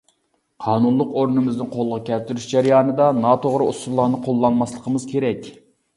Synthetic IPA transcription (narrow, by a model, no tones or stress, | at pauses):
qʰɑːnunlˠʊqoɾnɨmɪznɪnqʰolˠəʁɑkʲʰɛlt̪yɾyʃd͡ʒæɾijɑːnɨd̪ɑnɑt̪ʰoʁɾɨust̪ulˠːɑnɨqʰolˠːɑnmɑslˠəqʰəmɨz̥kʲʰeɾɛkʲ